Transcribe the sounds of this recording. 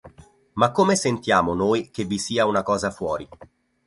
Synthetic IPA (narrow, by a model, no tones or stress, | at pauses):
makːomesent̪jaːmonoːjkevːisiːaunakɔːzafwɔːɾi